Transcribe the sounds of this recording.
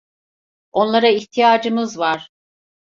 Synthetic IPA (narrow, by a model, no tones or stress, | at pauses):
o̞nlˠaɾaiçt̪ʰijaːd͡ʒɯmɯzvaɾ̥